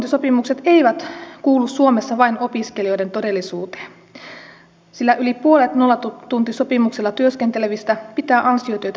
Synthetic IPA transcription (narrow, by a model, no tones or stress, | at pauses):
t̪iso̞pimukse̞t̪e̞ijʋæt̪kuːlːussuomesːɑʋɑino̞piskelio̞jde̞nt̪o̞de̞lːisuːt̪e̥ː | silːæʔylipuolet̪no̞lːɑt̪t̪unt̪iso̞pimukselːɑt̪yøskent̪eleʋist̪æpit̪æːʔɑnsiot̪yøjt̪